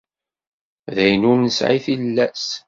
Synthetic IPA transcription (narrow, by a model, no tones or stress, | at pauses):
ðæjnʊɾnəsʕiθillːæs